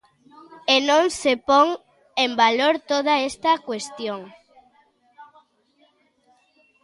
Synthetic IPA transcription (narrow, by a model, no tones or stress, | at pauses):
enõŋsepoŋ | embaloɾt̪oðɐest̪ɐkwest̪joŋ